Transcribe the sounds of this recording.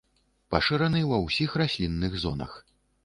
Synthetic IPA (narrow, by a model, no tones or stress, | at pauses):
paʂɨɾɐnɨwɐwsʲixrasʲlʲinːɨɣzɔ̰nɐ̰x